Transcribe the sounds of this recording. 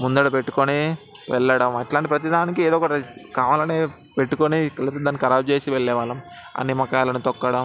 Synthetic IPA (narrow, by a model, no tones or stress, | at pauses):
mund̪ɐɽɐpeʈːu̥koni | ʋɛ̰ɭːɐɽɐmɐʈlaːɳʈipɾɐt̪̬id̪aaːnikieːd̪ɔːkɐʈɐkaːʋaːlɐneː | peʈːukonikɐlipt̪ːd̪aːnːikɐɾaːb̚t͡ʃe̞ːsiʋɛɭːɛːʋaːlɐm | ɐ̰nːimɐkaːlɐnut̪ɔkːɐɽɐm